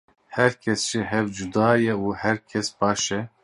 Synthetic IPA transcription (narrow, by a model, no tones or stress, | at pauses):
hɛɾkʰɛsʒ̥iɦɛvd͡ʒud̪ɑːjɛuhɛɾkʰɛsbɑːʃɛ